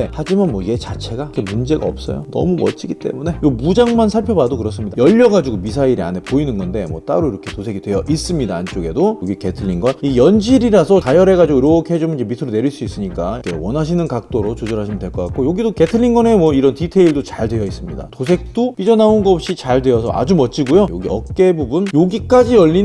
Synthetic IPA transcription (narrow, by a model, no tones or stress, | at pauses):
had͡ʑimanmwʌie̞t͡ɕat͡ɕʰe̞ɡakʰemund͡ʑe̞ɡa̰ʌ̰p̚s͈ʌ̰jo̰nʌ̰mumʌ̰t͡ɕ͈iɡit͈e̞̰mune̞jomud͡ʑaŋmansʰaɭpʰjʌbadokɯɾʌs͈ɯmɲidajʌʎːʌɡad͡ʑiɡomis̬ʰaiɾia̰ne̞poinɯnɡʌnde̞mwʌt͈a̰ɾoiɾʌkʰe̞tosʰeɡidwe̞jʌʔis͈ɯmɲidaːnt͡ɕ͈oɡe̞dojoɡike̞tʰɯɭʎːinɡʌnijʌnd͡ʑiɾiɾasʰʌkajʌɾe̞ɡad͡ʑiɡoiɾookʰeɦed͡ʑumɯnd͡ʑemitʰɯɾone̞ɾiɭs͈uis͈ɯɲik͈akʰḛwʌnɦaɕ̬ʰinɯnkak̚t͈oɾot͡ɕod͡ʑʌɾɦaɕʰimndwe̞ɭk͈ʌk͈ak͈ojoɡidoke̞tʰɯʎːiŋɡʌne̞mwʌiɾʌntitʰe̞iɭdot͡ɕaɭdwe̞jʌis͈ɯmɲḭda̰tosʰe̞k̚t͈op͈id͡ʑʌnaonɡʌʌp̚ɕ͈it͡ɕaɭdwe̞ʌsʰʌʔa̰d͡ʑumʌt͡ɕ͈ʰiɡojojo̰ɡiʌk͈ebubunjoɡik͈ad͡ʑijʌʎːin